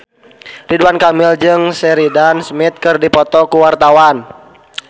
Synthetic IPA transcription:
riduankamild͡ʒɨŋsɛɾidansmit̪̚kɨrdipɔt̪ɔkuwart̪awan

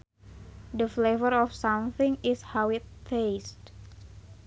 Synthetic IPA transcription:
dəflevəɾɔfsamθɪ̃ŋɪshawɪt̪̚fest

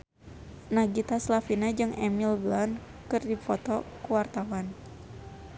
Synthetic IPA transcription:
naɡit̪aslafinad͡ʒɨŋɛmilblan | kɨrdifɔt̪ɔkuwart̪awan

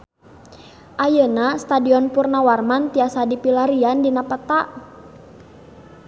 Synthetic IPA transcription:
ʔajənast̪adiɔnpurnawarmant̪iasadipilaɾiandinapət̪aʔ

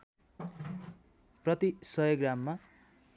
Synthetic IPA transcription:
prʌt̪isʌjoɡramːa

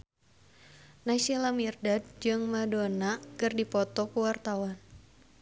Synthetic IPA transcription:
nasilamirdad̚d͡ʒɨŋmadonakɨrdipɔt̪ɔkuwart̪awan

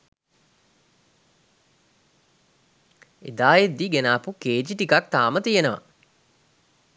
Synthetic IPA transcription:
ḛd̪aːjed̪ːiɡenaːpukeːd͡ʒiʈikak̚t̪aːmət̪ijenəʋa̰

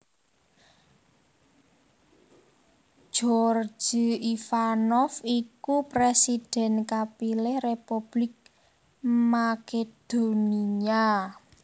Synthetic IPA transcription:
ʒ̥ɔr̥d͡ʒ̥i̤ifanɔfikupɾesid̪̥ɛ̤nkapilɪhrepub̥lɪk̚ | maked̪̥o̤nia

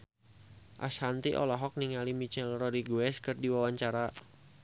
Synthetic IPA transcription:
ʔa̰shant̪iʔɔ̰lɔɦɔk̚niŋalimit͡ʃɛlrɔɾiɡuɛskərdiwawaɲt͡ʃaɾa

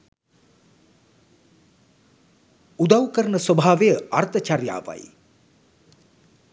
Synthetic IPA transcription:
ud̪awkəɾənəsobʱaːʋejəart̪ət͡ʃarja̰ːʋa̰j

